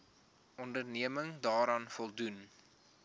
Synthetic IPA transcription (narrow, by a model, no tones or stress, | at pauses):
ɔndərniəməŋdɑːɾɑːnfɔlˠdun